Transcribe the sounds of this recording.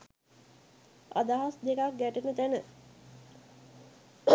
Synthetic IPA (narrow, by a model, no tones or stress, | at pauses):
a̰d̪aɦasd̪ekak̚ɡæʈenət̪ænə